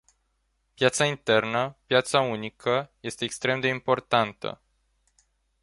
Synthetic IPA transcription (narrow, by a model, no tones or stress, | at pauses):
pjat̪saint̪e̞rnəpjat̪saunikʰəje̞st̪e̞ːkst̪ɾe̞md̪e̞impo̞rt̪ant̪ə̰